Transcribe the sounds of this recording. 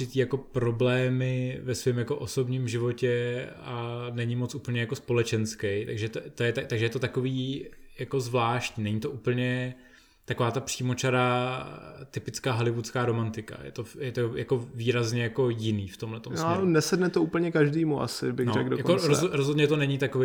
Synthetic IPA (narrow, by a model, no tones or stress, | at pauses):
ɪt̪iːjako̞pɾo̞blɛːmɪvɛsvɪmjako̞ʔoso̞bɲiːmʒɪvo̞cɛanɛɲɪmot͡sʔupl̩ɲɛjako̞spo̞lɛt͡ʃɛnskɛjt̪aɡʒɛt̪t̪ojɛt̪at̪aɡʒɛjɛt̪o̞t̪ako̞viːjako̞zvlaːʃcɲiːnɛɲit̪o̞ʔuːpl̩ɲɛ | t̪akovaːt̪apr̥iːmo̞t͡ʃaɾa | t̪ɪpɪt͡skaːɦalɪvut͡skaːɾo̞mant̪ɪka̰jɛ̰t̪o̞jɛt̪ojakoviːɾazɲɛjako̞jɪniːft̪omlɛt̪omsnɛsɛdnɛt̪ouːpl̩ɲɛkaʒdiːmuʔa̰sɪ̰bɪɣnoɾɛkdojakoɾozoɾozɦod̪ɲɛt̪onɛɲɪt̪akove